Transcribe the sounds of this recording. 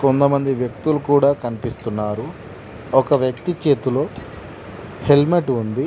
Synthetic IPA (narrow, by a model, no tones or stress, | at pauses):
kont̪ɐmɐnd̪iʋjɐk̚t̪ulukuːɽaːkɐnipist̪unːaːɾu | ɔkɐʋjɐkt̪it͡ʃe̞ːt̪ulo̞ː | helmeʈund̪i